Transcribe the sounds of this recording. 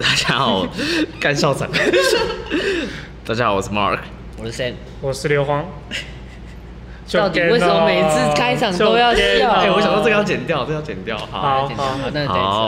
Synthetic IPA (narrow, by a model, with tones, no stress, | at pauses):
t̪a˥˩t͡ɕja˥ɑ˩wɔ˨˩ka˥nɕɑ˥˩ʊt͡sʰə̰˨˦ŋ | t̪a˥˩t͡ɕja˥xɑ˨˩ʊwɔ˨˩sə˥˩mɑ̰˥˨˩kʰ | wɔ˨˩˥sɛ˥˩n | wɔ˨˩ʂ̩˥˧ljo˧˥ʊxwɑ˥ŋ | t͡ɕo˥ɑ˥˩ʊt̪we˥˩sə˨˩mə˧me˨˩ɪt͡sʰɹ̩˥kʰa˥ɪɑ˨˩ŋo˥ʊjɑ˥˧ʊ˥e˥˩˨wɔ˧˥ɕjŋt̪t͡sjɑ˥˩t͡ɕjɛ˨˩nt̪jt̪o˥˧jt͡ɕɛ˨˩nt̪jɑ˥˩ʊhɑ̰˨˦˨na̰˥˧˩